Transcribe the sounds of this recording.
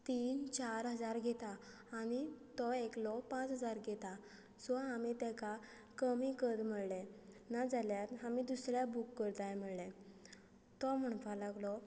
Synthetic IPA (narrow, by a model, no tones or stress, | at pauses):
t̪iːnt͡ɕaɾɦəd͡zaɾɡʱet̪aː | ñit̪ɔeklɔpãt͡sɦəd͡zaɾɡʱet̪a | sɔamit̪ɛ̃ka | kəmikəd̪m̤əɭlɛ̃ | nad͡zaljat̪amid̪usɾjabukːəɾt̪ajm̤əɭlɛ̃ | t̪ɔm̤əɳ̃falaɡlɔ